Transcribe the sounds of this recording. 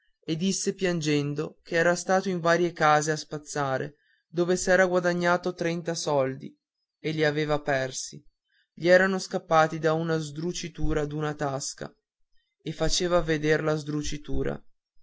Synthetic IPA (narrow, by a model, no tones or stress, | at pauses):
ed̪isːepjand͡ʒɛnd̪okeɛːɾast̪aːt̪oiɱvaːɾjekaːzeaspat̪sːaːɾʔḛ | d̪oːvesɛːɾaɡwad̪aɲːaːt̪ot̪ɾɛnt̪asɔld̪ḭ | eʎːiaveːvapɛrsi | ʎiɛːɾanoskapːaːt̪id̪aunazd̪ɾut͡ʃit̪uːɾad̪unat̪aska̰ | efat͡ʃeːvaved̪erlazd̪ɾut͡ʃit̪uːɾa̰